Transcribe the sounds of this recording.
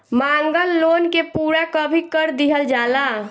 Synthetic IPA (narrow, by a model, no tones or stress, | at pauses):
maŋɡəlːonkepuːɾakəbʱikəɾd̪iɦəld͡ʒala